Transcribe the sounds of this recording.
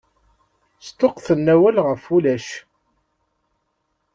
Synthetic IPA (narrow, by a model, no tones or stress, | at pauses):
st̪oqθənːæwælʁəfulæʃ